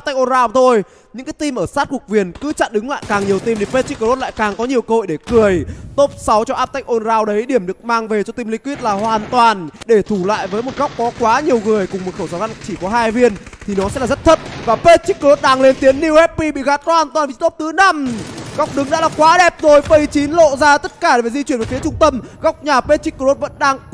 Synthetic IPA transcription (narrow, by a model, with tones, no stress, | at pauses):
a˥pt̪a˦˥jk̚ʔo˧nzaː˧wt̪ʰo˧j | ɲɨ̰˧˥ŋkaː˨˦t̪i˧mʔəː˧˩saː˦˥t̚kʊ˨˩k̚vi˨˩ənkɨ˨˦t͡ɕa̰ː˧˨nɗɨ˨˦ŋla̰ː˧˨jkaː˨˩ŋɲi˨˩əwt̪i˧mt̪i˨˩pe˦˥t̚t͡ɕi˦˥k̚ːə˧o˦˥t̚la̰ː˧˨jkaː˨˩ŋkɔ˨˦ɲi˨˩əwkə˧ho˧˨jɗe˧˩kɨ˧˩əjt̪o˦˥p̚sa˨˦wt͡ɕɔ˧ʔaː˦˥p̚t̪a˦˥jk̟ʔo˧nzaː˧wɗə˨˦jɗi˧˩əmɗɨ˨˩ək̚maː˧ŋve˨˩t͡ɕɔ˧t̪i˧mli˧ŋkwi˦˥ət̚laː˨˩hwaː˨˩nt̪waː˨˩nɗe˧˩t̪ʰu˧˩la̰ː˧˨jvəː˨˦jmo˨˩t̚ɣa˦˥wk͡p̚kːɔ˨˦kwaː˨˦ɲi˨˩əwŋɨ˨˩əjkʊ˨˩ŋ͡mmo˨˩t̚xə˧˩zaː˨˦ɣa˧˨nt͡ɕi˧˩kɔ˨˦ɦaː˧jvi˧ənt̪ʰi˨˩nɔ˨˦sɛ̰˧˥laː˨˩zə˦˥t̚t̪ʰə˦˥t̚vaː˨˩pe˦˥t̚t͡ɕi˦˥k̚kə˧ɾo˦˥t̚ɗaː˧ŋle˧nt̪i˨˦ənːi˧whɛ˦˥t̚pi˧ɓḭ˧˨ɣaː˨˦˥t̚kɔ˦haː˨˩nt̪waː˨˩nvi˨˩˨t̪o˦˥p̚t̪ɨ˨˦na˧mɣa˦˥wk͡p̚ɗɨ˨˦ŋɗa̰ː˧˥laː˨˩kwaː˨˦ɗɛ˨˩p̚zo˨˩jɓə˨˩jt͡ɕi˨˦nlo̰˧˨zaː˧t̪ə˦˥t̚kaː˧˩ɗe˨e˨˩zi˧t͡ɕwi˧˩nvːfi˨˦t͡ɕʊ˧ŋ͡mt̪ə˧mɣa˦˥wk͡p̚ɲaː˨˩pe˦˥t̚t͡ɕi˦˥k̚kə˧ɾo˦˥t̚və̰˧˥nɗaː˧ŋ